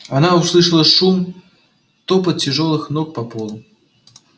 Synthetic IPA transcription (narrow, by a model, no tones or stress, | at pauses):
anawslˠɨʂɐlˠɐʂum | t̪ɔpɐt̪̚t͡sʲiʐɔlˠɨxnɔk̚pɐpɔlˠu